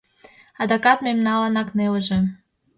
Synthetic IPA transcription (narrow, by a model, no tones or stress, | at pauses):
ɑd̪ɑkɑt̪memnɑlɑnɑkneləʒĕ